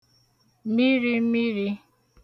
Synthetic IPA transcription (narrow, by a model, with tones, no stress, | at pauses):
mi˦ɾi˦mi˦ɾi˦